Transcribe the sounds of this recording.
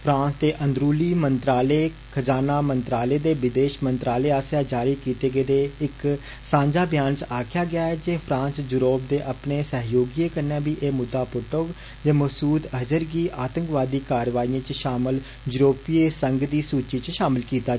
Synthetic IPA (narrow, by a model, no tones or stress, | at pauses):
pʰɾãːnsd̪eːʔə̃nd̪ɾuːliːmənt̪ɾaːleː | kʰəd͡ʒaːnaːmənt̪ɾaːleːd̪eːʋɪd̪eːʃmənt̪ɾaːleːaːsjaːd͡ʒaːɾiːkiːt̪eːɡeːd̪eːɪk | sãːɲd͡ʒaːbjaːnt͡ʃaːkʰjaːɡɪjaːɛːd͡ʒeːpʰɾãːnsd͡ʒʊɾoːp̚d̪eːʔəpneːsəɦjoːɡieːkənãːbiːʔeːmʊd̪ːaːpʊʈʊɡ | d͡ʒeːməsuːd̪əd͡ʒəɾɡiːʔaːt̪ə̃ŋkʋaːd̪iːkaːɾʋaːiːãːt͡ʃʃaːmɪl | d͡ʒʊɾoːpiːeːsəŋɡd̪iːsuːt͡ʃiːt͡ʃʃaːmɪlkiːt̪aː